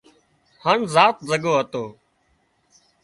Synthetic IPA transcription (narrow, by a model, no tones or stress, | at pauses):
həɳzaːt̪̚zəɠoːɦət̪oː